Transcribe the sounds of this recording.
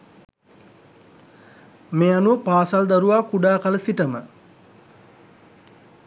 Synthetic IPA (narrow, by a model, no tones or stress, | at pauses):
meːanuʋəpaːsald̪aɾuʋaːkuɖaːkaləsiʈəmə